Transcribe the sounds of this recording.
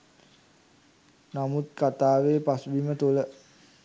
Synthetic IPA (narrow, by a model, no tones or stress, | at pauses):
namut̪̚kat̪aːʋeːpasbimət̪ulə